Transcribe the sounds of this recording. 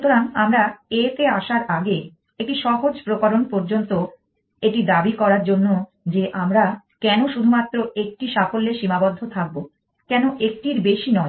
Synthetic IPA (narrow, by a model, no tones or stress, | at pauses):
t̪oɾanamɾaet̪eaʃaɾaɡe | ek̚ʈiʃɔɦod͡ʑpɾokaɾonpoɾd͡ʑont̪o | eʈid̪abikɔɾaɾd͡ʑonːo | d͡ʑeʔamɾa | kɛnoʃud̪ʱumat̪ːɾoek̚ʈiʃafolːeʃimabɔd̪ʱːot̪ʰak̚bo | kɛnoʔek̚ʈiɾbeʃinɔ